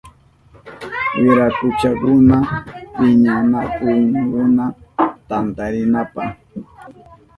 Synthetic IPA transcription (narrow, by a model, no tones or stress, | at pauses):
jʊɾakʊt͡ʃakʊnapɪɲanakʊnkʊnat̪ant̪aɾɪnapah